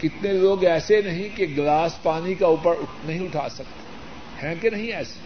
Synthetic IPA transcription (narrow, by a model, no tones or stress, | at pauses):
kɪt̪neloːɡɛːsenɐɦĩkeɡlaːspaːnikauːpəɾʊnɐɦĩʊʈʰaːsɐk̚t̪e̥ | hɛ̃ːkenɐɦĩɛːse̥